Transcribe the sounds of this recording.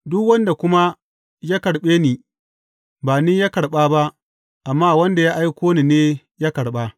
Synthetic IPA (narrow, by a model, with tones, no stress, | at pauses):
dʊ˦kwɐ˦nda˨kʷʊ˦ma˦ | jaː˦kɐ˨ɽɓeː˦niː˨ | ba˨niː˦jaː˦kɐ˨ɽɓaː˦ba˦ʔ | ʔa˨mːaː˦wɐ˦nda˨ja˦ʔa˦jkʷoː˦niː˨neː˦ | jaː˦kɐ˨ɽɓaː˦